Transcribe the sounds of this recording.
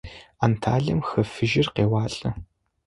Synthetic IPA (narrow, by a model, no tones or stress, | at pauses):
antʰaːɮɐmxɐfɨʒɪrqeːwaːɬʼɐ